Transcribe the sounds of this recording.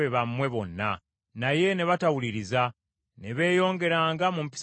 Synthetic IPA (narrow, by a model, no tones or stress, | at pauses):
eβamːwe̞βo̞nːa̰ | naje̞ne̞βatawuliɾiza | ne̞βe̞ːjo̞ːŋɡe̞ɾaːŋɡamumpi̥s